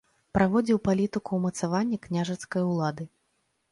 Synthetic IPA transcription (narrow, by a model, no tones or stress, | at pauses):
pɾʔavɔd͡zʲiwpalʲit̪ɨkuwmɐt̪savanʲːɐknʲaʐɐt̪skɐjulˠad̪ɨ